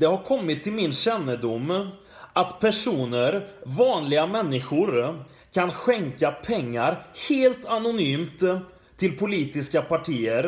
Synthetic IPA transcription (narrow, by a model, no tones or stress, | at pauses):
d̪̥ɛhaɾkʰɔmːɪt̪ʰːɪlmɪnɕɛnːəd̪ʊmː | at̪pʰæʂuːnəɾvɑːnlɪɡamɛnːɪɧʊɾ | kʰanɧɛŋkapʰɛŋːaɾheːlt̪anʊnyːmt̪ʰː | ɪlpʰʊliːt̪ɪskapaʈʰiːəɾ